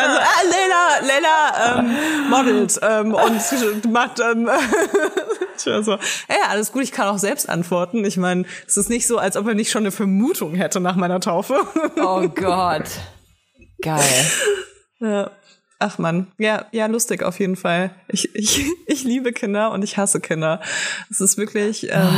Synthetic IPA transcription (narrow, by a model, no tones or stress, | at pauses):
ʔalzoʔalɛlɐlɛɪlɐʔɛːmmɔdl̩tʔɛːmʔʊntmaχtd̥ɛnː | azoːʔaʔaləsɡ̥uːtɪçkʰanaʊxz̥ɛlpstʔa̰ntv̥ɔɐtn̩ɪçmaɪnəd̥asɪstnɪçtz̥oːalsʔɔpɛːɐnɪçtʃoːnəfɛɐmuːtʰʊŋɦɛtənaːχmaɪnɐtʰaʊfəoːɡɔt | ɡ̥aɪl | jaː | ʔaχmanjaːjaːlʊstɪça̰ʊfjeːdn̩falʔɪçʔɪçʔɪçliːbəkʰɪndɐʊntɪçhasəkʰɪndɐd̥ɛsɪstv̥ɪɐklɪçʔɛ̰ːm